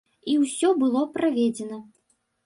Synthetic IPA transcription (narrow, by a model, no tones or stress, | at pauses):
iwsʲɔbɨlˠɔpɾavʲɛd͡zʲɛnɐ